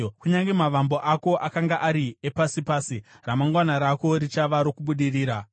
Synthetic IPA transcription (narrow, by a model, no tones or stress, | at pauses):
kuɲaŋɡemaʋambo̞ʔako̞ʔakaŋɡaʔaɾiepasipaːsi | ramaŋɡwanaɾako̞ɾit͡ʃaʋaɾo̞kuɓuɗiriːɾa